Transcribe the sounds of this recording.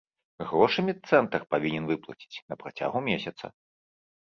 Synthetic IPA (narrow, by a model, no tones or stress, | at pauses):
ɣɾɔʂɨmʲit̪sɛnt̪ɐrpavʲinʲɛnvɨplˠɐ̰t͡sʲi̥t͡sʲnɐpɾat͡sʲa̰ɣumʲesʲɐt̪sɐ̰